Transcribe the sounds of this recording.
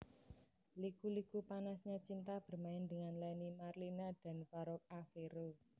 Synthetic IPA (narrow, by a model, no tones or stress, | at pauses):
likulikupanasɲat͡ʃint̪ab̥ə̤rmaɪnd̪əŋanlainimarlinad̪̥a̤nfaɾɔk̚afeɾo